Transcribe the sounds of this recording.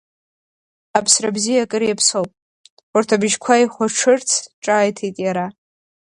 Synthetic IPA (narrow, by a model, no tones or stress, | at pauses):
apʰsrabzijakʼɨɾijapʰsowpʼ | urtʰabɨʒkʷʰaiχʷaʈ͡ʂʰɨrt͡sʰʈ͡ʂʼaːjtʰejtʼjaɾa